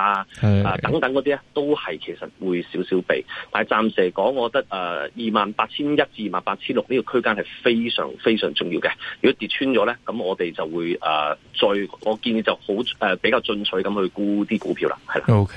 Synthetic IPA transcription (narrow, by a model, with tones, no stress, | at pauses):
aː˧ɛː˧t̪ɐ˨˥ŋt̪ɐ˨˥ŋkɔː˨˧˥t̪iː˥ɛ˥t̪o˥whɐ˨jkʰe˨˩jsɐ˨t̚wuː˨˧jsiː˨˥wsiː˨˥wpḛ˨jt̪aː˨˩jt͡saː˨msɛː˨˩kɔː˨˥ŋːɔː˨˧kɔ˨˧t̪ɐ˥k̚ʔɛː˧jiː˨maː˨npaː˧t̚t͡sʰiː˥njɐ˥t̚t͡siː˧i˨˩maː˨npaː˧t̚t͡sʰiː˥nlʊ˨k̚niː˥kɔ˧kʰɵ˥kaː˥nhɐ˨jfe˥jsœ̰ː˨˩ŋfe˥jsœ̰ː˨˩ŋt͡sʊ˨ŋjiː˧wkɛ˧jyː˨kɔ˨˥t̪iː˨t̚t͡ʃʰyː˥nt͡ʃɔː˨˥lɛː˥kɐ˨˥mŋɔː˨˧t̪e˨jt͡sɐ˨wːuː˨˧jʔɛ̰ː˨t͡sɔː˧jŋɔː˨˧ki˧njiː˨˧t͡sɐ˨˩who˨˥wʔɛː˨pe˨˥jkaː˧wt͡sɵ˧nt͡sʰɵ˨˥ɥkɐ˨˥mhɵ˧ɥkuː˥t̪iː˥kuː˨˥pʰiː˧wla̰ː˧hɐ˨jla̰˨okʰ